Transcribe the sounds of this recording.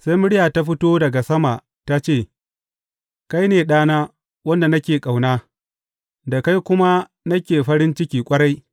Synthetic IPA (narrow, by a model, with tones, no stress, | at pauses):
sa˦jmʊ˦ɽɪ˦jaː˨ta˦ɸɪ˦toː˦dɐ˨ɡa˨sɐ˦ma˨ʔ | ta˦t͡ʃeː˦˨ | ka˦jneː˨ɗaː˦naː˦ | wɐ˦nda˨nɐ˦kʲeː˨kʼa˨wnaː˦ | da˨ka˦jkʷʊ˦ma˦ | nɐ˦kʲeː˨ɸɐ˦ɾɪ˦nt͡ʃɪ˦kʲiː˨kʷʼɐ˦ɽa˦j